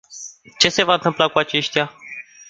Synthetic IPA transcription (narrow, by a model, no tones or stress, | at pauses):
t͡ʃe̞se̞vaɨnt̪ɨmplakuat͡ʃe̞ʃt̪ʲja